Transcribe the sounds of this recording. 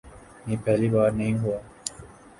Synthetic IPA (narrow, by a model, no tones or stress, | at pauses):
nĩːpɛːlibaːɾnɐɦĩɦuaː